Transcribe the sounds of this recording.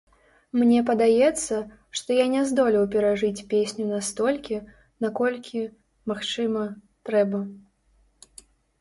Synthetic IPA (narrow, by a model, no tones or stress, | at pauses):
mnʲɛpɐd̪ajɛt̪sːɐ | ʂt̪ɔjanʲɛzd̪ɔlʲiwpʲɛɾaʐɨt͡sʲpʲesʲnʲunast̪ɔlʲkʲi | nakɔlʲkʲʰi | maxt͡ʂɨmɐ | t̪ɾɛbɐ